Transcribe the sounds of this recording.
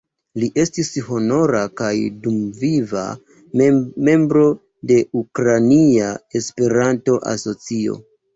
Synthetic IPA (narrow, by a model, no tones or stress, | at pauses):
liʔe̞stisho̞no̞ɾakajdumviva̰ | me̞mbɾo̞ | de̞ukɾaniae̞spe̞ɾanto̞ʔa̰so̞t͡sio̞̰